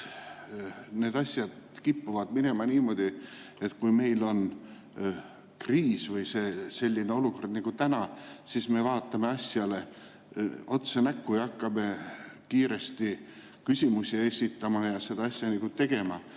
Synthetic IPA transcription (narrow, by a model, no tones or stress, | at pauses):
ne̞ːd̪ɑsʲjɑd̪̥kipːuvɑd̪̥mine̞mɑniːmo̞d̪̥i | e̞t̪kujme̞jlo̞n | kriːsvɯjse̞ːse̞lʲːineo̞luko̞rd̪̥niɡ̥ut̪ænɑsisme̞vɑːt̪ːˑɑme̞ɑsʲjɑle̞ | o̞t̪senækːujɑkːɑme̞kiːɾe̞st̪i | kysʲimusʲiesʲit̪ːˑɑmɑjɑse̞d̪̥ɑɑsʲjɑniɡ̥ut̪e̞ɡ̥e̞mɑ